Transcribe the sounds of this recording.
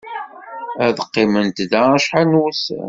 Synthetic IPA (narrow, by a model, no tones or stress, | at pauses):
æðəqːɪmənt̪ðææʃħanus